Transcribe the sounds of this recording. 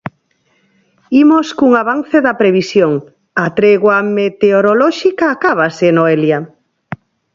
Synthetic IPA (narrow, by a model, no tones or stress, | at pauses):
imoskuŋaβan̟θeðapɾeβ̞isjoŋ | at̪ɾeɣwamet̪eoɾolɔʃikaːkaβasenoelja